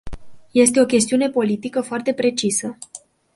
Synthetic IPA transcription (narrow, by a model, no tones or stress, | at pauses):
je̞s̬t̪e̞o̞kʲe̞st̪iune̞po̞lit̪ikəfoart̪e̞pɾe̞t͡ʃisə